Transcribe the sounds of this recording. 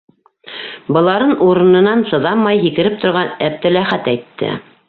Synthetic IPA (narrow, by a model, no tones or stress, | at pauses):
bɤ̆lˠɑɾɤnʔuɾɤ̆nɤ̆nɑnsɤ̆ðɑmːɑjɦikɘ̆ɾɘp̚t̪ŏɾʁɑnæb̚t̪ɘlæχæt̪æjt̪ʰːɘ̰